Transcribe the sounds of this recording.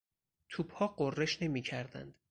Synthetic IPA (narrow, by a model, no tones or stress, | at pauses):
t̪ʰuːbhɒːɢorːe̞ʃne̞miːcʰæɾd̪æ̰nd̪̥